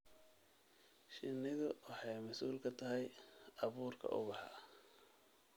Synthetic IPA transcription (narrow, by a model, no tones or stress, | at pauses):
ʃɪnːɪðʊwɑħɑjmɐsuːlkʰɐt̪ʰɐɦɛjɑβuːrkʰɐ̰ʔʊ̰βɑħɑ